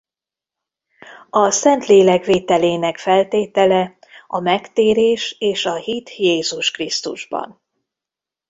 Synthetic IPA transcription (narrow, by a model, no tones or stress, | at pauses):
ɒsɛnt̪leːlɛkveːt̪ɛleːnɛkfɛlt̪eːt̪ɛlɛ | ɒmɛkt̪eːɾeːʃeːʃɒhit̪jeːzuʃkrist̪uʒbɒ̰n